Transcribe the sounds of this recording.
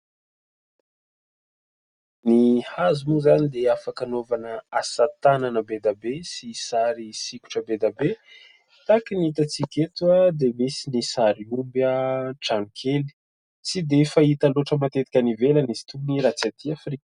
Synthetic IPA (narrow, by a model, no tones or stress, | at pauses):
nihazimuzanid̪eafakanovanəasat̪ananəbed̪abesisaɾisikʲu̥ʈ͡ʂəbed̪abe | t̪akinit̪at͡sikʲet̪uəd̪emisinisaɾiumbəʈ͡ʂaŋkʰeli̥ | t͡sid̪efait̪əloʈ͡ʂəmat̪et̪i̥kʲənivelanizi̥t̪uniɾat͡sat̪iafrik